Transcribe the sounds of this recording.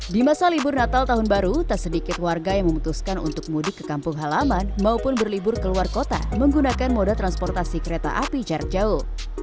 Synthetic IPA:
dimasalibʊrnat̪alt̪aɦʊnbaɾut̪asədikɪt̪warɡajaŋməmut̪uskanṵnt̪ʊk̚mudɪkːə̥kampʊŋɦalamanmaupʊnbərlibʊrkəluarkot̪a̰məŋɡunakanmodat̪ɾanspɔrt̪asikəɾet̪a̰ʔapid͡ʒar̚d͡ʒaʊh

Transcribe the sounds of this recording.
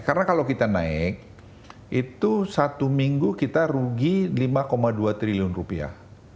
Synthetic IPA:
kaɾənakalawkit̪ana̰ɪk̚ | it̪usat̪umiŋɡukit̪aɾuɡilimakomaduat̪ɾiliʊnrupia̰h

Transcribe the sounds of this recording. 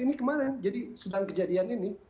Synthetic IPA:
inikəmaɾɛnd͡ʒadisədaŋkəd͡ʒadianinɪ

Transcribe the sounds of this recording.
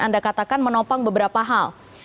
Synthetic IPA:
andakat̪akanmənɔpaŋbəbəɾapaɦal

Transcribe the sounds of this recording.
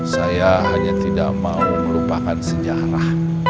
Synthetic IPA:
sajaɦaɲat̪ida̰ʔmauməlupakansəd͡ʒaɾah

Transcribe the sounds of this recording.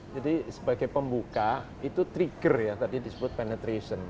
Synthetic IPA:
d͡ʒadisəbaɡajpəmbuka | it̪ut̪ɾiɡərjat̪adidisəbʊt̪̚penɛt̪ɾesən

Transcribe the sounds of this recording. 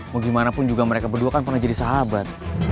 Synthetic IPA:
maɡimanapʊnd͡ʒuɡaməɾekabərduakanpərnahd͡ʒadisaɦabat̪̚

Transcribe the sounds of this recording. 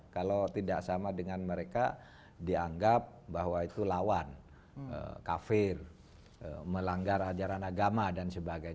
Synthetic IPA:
kalawt̪idaʔsamadəŋanməɾeka | diaŋɡap̚baɦwait̪ulawan | ə̰kafɪr | ə̰məlaŋɡaɾad͡ʒaɾanaɡamadansəbaɡaj

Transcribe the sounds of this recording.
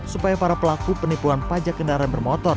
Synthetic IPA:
supajapaɾapəlakupənipuɦanpad͡ʒakːəndaɾanbərmɔt̪ɔr

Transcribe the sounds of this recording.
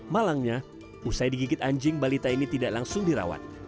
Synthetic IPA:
malaŋɲa | usajdiɡikɪt̪aɲd͡ʒɪŋbalit̪ainit̪idaʔlaŋsʊŋdiɾa̰wa̰n

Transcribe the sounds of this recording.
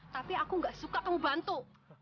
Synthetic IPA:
t̪apiakuŋɡaʔsukap̪əŋubant̪u

